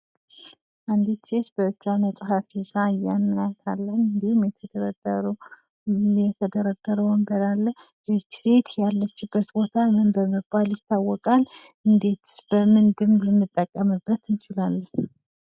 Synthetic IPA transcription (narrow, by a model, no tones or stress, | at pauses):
ʔand̪it̪set̪b̥əɨt͡ʃːanəsʼɦafisaɨjamːjat̪ʰalːənɨnd̪ihumjɛt̪ʰəd̪əɾə | ɛt̪ʰəd̪əɾəd̪əɾəwəmbəlalːə | ɾet͡ʃɾet̪jalːət͡ʃːɪbːət̪bo̞t̪ʰamɨnbəmɨbːaljɪt̪ʰːawːɔkʼal | ʔɨnd̪e̞t̪b̥əmɨnd̪ɨmlɛmːɨt̪ʼːəkʼːəmɨbːət̪ɨnt͡ʃɪlalːən